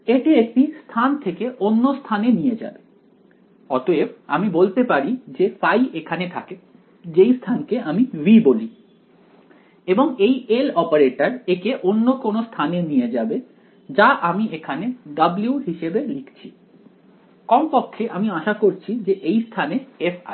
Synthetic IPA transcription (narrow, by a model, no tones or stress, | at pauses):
eʈiek̚ʈist̪ʰant̪ʰekeʔonːost̪ʰanenijed͡ʑa̰be | ɔt̪oeba̰mibolt̪epaɾid͡ʑefajʔekʰanet̪ʰake | d͡ʑejst̪ʰankeʔamiʋiboli | eboŋejelɔpaɾeʈaɾekeʔonːokonost̪ʰanenijed͡ʑabe | d͡ʑaʔamiekʰaneɖabliuɦiʃebelikt͡ɕʰi | kɔmpokʰːeʔamiaʃakoɾt͡ɕʰid͡ʑeʔejst̪ʰaneefa̰